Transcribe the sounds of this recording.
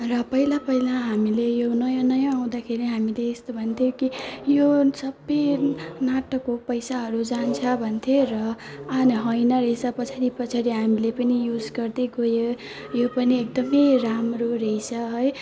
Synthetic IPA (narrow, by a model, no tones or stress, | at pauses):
rʌpʌilapʌilaɦamilejonʌjãnʌjãaw̃d̪akʰeɾiɦamileːst̪obʱʌnt̪ʰjokijosʌbʌjnaʈʌkːopʌjsaɦʌɾud͡zant͡sʰʌbʱʌnt̪ʰjorʌanɦʌjnʌɾejsʰʌpʌt͡sʰaɾipʌt͡sʰaɾiɦamilepʌnijud͡zɡʌrd̪eɡojo | jopʌniek̚d̪ʌmejramroɾeisʰʌɦʌj